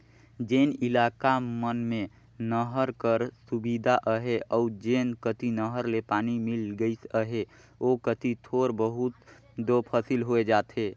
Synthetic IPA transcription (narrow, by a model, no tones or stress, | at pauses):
d͡ʒeːnɪlaːkamənmẽ | nəɦəɾkəɾsubid̪ʱaʔəɦeʔɔʊd͡ʒeːnkət̪inəɦəɾlepaːnimɪlɡəisəɦe | okət̪it̪ʰoːɾbəɦut̪ | d̪opʰəsilɦoed͡ʒaːt̪ɦeː